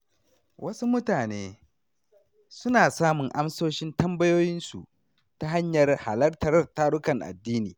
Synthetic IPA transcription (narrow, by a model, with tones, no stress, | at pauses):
wʔɐ˦su˦mʊ˦taː˨neː˦ | sʊ˦naː˨saː˦mʊ˨ŋʔa˦msoː˦ʃɪ˦ntɐ˦mbɐ˦joː˦jɪ˦nsṵ˨ | ta˦ɦa˦ɲjɐ˨rha̰˨lɐ˦rtɐ˨rtaː˦ɽʊ˦kɐ˨ŋʔa̰˨dːiː˦niː˨